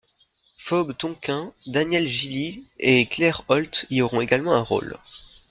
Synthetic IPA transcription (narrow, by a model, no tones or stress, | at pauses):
fɔbt̪ɔ̃kʲɛ̃d̪anjɛlʒilieklɛʁɔlt̪iɔʁɔ̃eɡalmɑ̃ɛ̃ʁo̰l